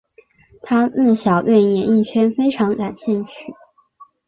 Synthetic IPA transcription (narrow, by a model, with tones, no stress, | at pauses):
t̪ʰa˥nə˥˩ɕjɑ˨˩ʊt̪we˥˩ɪnjɛ˨˥ni˥˩nt͡ɕʰɥɛ˥nfe˥ɪʈ͡ʂʰɑ˧˥ŋka˨˩nɕjɛ˥˧nt͡ɕʰy˥˩